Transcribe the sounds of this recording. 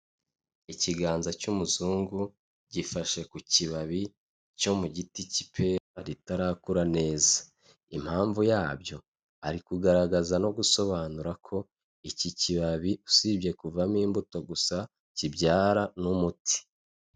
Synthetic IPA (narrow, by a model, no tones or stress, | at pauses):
iciɡaːnzacumuzuːŋɡu | ɟifaʃe̞kuciβaβi | co̞muɟitici̥pʰe̞ɾaɾitaɾaːkuɾane̞ːzḁ | im̥haːɱvujaːbjo̞ | a̰ɾikuɡaɾaɡazano̞ɡuso̞βaːnuɾakʰo̞ | iciciβaβiusibje̞kuvamiːmbuto̞ɡusa | cibɟaːɾanumuti̥